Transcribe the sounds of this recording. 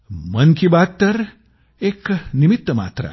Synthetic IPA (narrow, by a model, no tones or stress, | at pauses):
mɐnkʰibat̪t̪ːɐɾ | eːknimit̪ːəma̰ːt̪ɾa̰